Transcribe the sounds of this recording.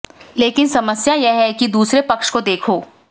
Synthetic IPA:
leːkɪnsɐməsjajɛɦɛkid̪uːsɾepɐkʃkod̪eːkʰoː

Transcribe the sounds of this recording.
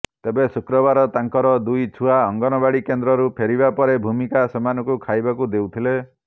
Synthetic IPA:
t̪ebesukɾɔbaɾɔt̪aŋkɔɾɔd̪ujt͡ʃʰuaɔŋɡɔnɔbaɽikend̪ɾɔɾupʰeɾibapɔɾebʱumikasemanɔkukʰajbakud̪ewt̪ʰile

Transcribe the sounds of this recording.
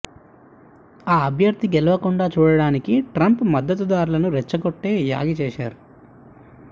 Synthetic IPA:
aːɐbʱjɐɾd̪iɡɛlɐʋɐkuɳɖaːt͡ʃuːɽɐɽaːnikiʈɾɐmpmɐd̪ːɐt̪̬ud̪aːɾulɐnuɾɛt͡ʃːɐɡoʈːe̞ːja̰ːɡit͡ʃɛːʃaːɾu

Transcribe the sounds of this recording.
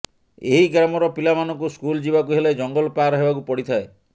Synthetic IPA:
eɦiɡɾamɔɾɔpilamanɔŋk̬uskuld͡ʒibak̬uɦeled͡ʒɔŋɡɔlpaːɾɔɦebakupɔɽit̪ʰae

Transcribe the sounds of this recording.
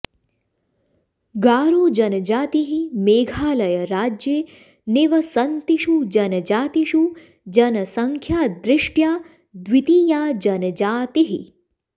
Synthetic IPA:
ɡaːɾuːd͡ʒənəd͡ʒaːt̪iɦimeːɡʱaːləjəɾaːd͡ʒjeː | neːʋəsənt̪iʃud͡ʒɐnəd͡ʒaːt̪iʃu | d͡ʒənəsəŋkʰjaːd̪ɾɪʂʈjaː | d̪ʋit̪iːjaːd͡ʒɐnəd͡ʒaːt̪iɦḭ

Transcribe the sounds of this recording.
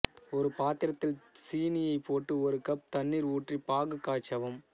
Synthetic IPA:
ɔɾɯpaːt̪ɪɾɐt̪ːɪlsiːnɪjɐɪpːoːʈːɯɔɾɯkɐp̚t̪ɐɳːiːɾuːʈripaːɣɯkːaːt͡ʃːɐʋɐm

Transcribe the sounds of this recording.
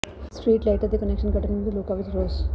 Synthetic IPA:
sʈɾiːʈlaɪʈəɾd̪ekɐnekʃənkɐʈənmẽd̪iloːkaʋed͡ʒɾoːz

